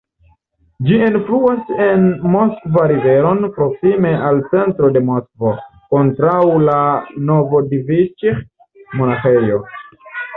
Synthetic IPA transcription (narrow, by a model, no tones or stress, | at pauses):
d͡ʒiinfluase̞nmo̞skvaɾive̞ɾo̞npɾo̞ksime̞ʔalt͡se̞ntɾo̞de̞moskvoko̞ntɾawlano̞vo̞divit͡ʃeχ | mo̞naχejo